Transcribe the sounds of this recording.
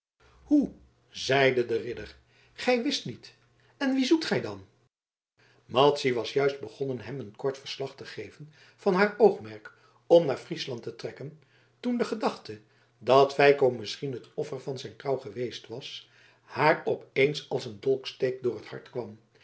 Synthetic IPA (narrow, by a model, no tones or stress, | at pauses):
hu | zɛjdədərɪdəɹ | χɛjʋɪstnit | ɛnʋizutχɛjdɑn | mɑtsiʋɑsjœɥsd̚bəχɔnənɦɛmənkɔɹtfəɹslɑχtəχejvən | v̥ɑnɦaːɹowχmɛɹk | ɔmnaːɹfrislɑntətrɛkən | tundəχədɑχtə | dɑtfɛjkowmɪsχinɦətɔfəɹvɑnzɛjnkrɑwχəʋejstʋɑs | haːɹɔpejnsɑlˠsəndɔlˠkstejk̚dʊːɹəthɑ̰ɹtkʋɑm